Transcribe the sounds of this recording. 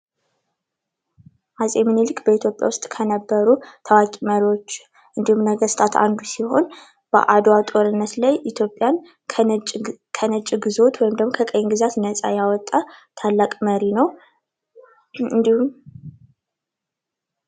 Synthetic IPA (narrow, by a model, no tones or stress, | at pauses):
ʔazʼemɨnilɨkʼːbəit̪ʰjo̞pʼja̰wʊst̪ʼkʰənəbːəɾut̪ʰəwakʼiməɾiwot͡ʃː | ʔɨnd̪ihumnəɡəst̪ʰat̪ʰa̰nd̪usiho̞n | b̥ə̰ʔad̪wat̪ʼo̞ɾɨnːət̪lajʔit̪ʰjo̞pʼjanʰ | kʰənət͡ʃʼɡɨzo̞t̪wɔjɪmd̪əɡmo̞kʰəkʼəjnɡɨzat̪nət͡sʼa̰jawɔt̪ʼːat̪ʰalːakʼməɾinəw | um